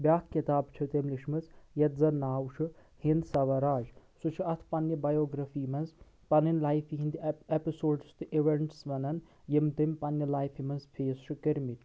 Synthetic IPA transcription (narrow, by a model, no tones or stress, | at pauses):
bʲjaːkkːit̪aːbt͡ʃʰɐt̪emliʃmɨt͡sjɐt̪̚zɐnːaːwʃʰu | hind̪sɐʋɐɾaːd͡ʒsut͡ʃʰiɐt̪ʰpɐnjɐbɐjoːɡɾɐfiːmɐnz | pɐninlaːjfiɦind̪iepisoːɖst̪ɨʔiʋeɳʈsʋɐnɐn | jimt̪impɐnjɐlaːjfʰimɐnzpʰeːsʃukɐɾmiʈ